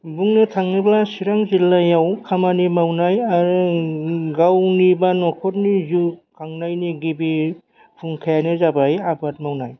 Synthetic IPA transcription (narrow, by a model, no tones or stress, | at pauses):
buŋnɯtʰaŋniblasiɾaŋzilːajawkʰamanimawnajaɾu | ɡawnibanɔkʰɔt̚nizukʰaŋnajniɡibi | pʰuŋkʰajanɯzabajabat̚mawnaj